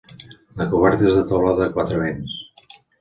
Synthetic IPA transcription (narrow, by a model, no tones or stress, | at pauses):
ləkuβɛɾt̪əezðət̪əwlaðəːkwat̪ɾəβens